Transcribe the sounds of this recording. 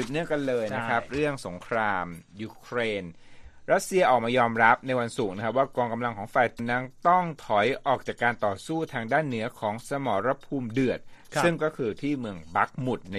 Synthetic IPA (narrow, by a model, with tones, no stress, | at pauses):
i˨˩p̪̚nɯ˧˩əka˧nlɤː˧jna˦˥kʰɾa˦˥p̚ɾɯ˥˩əŋso˩˦ŋkʰɾaː˧mjuː˧kʰɾeː˧n | ɾa˦˥t̪̚si˧ɐʔɔː˨˩k̚maː˧jɔː˧mɾa˦˥p̚na˧jwa˧nsu˨˩k̚na˦˥a˦˥p̚waː˥˩kɔː˧ŋka˧mla˧ŋkʰɔː˩˦ŋfa˨˩jt̪na˦˥nt̪ɔ˥˩ŋt̪ʰɔ˩˦jʔɔː˨˩k̚t͡ɕaː˨˩kːaː˧nt̪ɔː˨˩suː˥˩t̪ʰaː˧ŋdaː˥˩nːɯ˩˦ɐkʰɔː˩˦ŋsa˧mɔː˩˦ɾa˧˥pʰuː˧mdɯ˨˩ət̪̚sɯ˥˩ŋkɔː˥˩kʰɯː˧t̪ʰiː˥˩mɯ˧əŋba˦˥k̚mu˨˩t̪̚na˧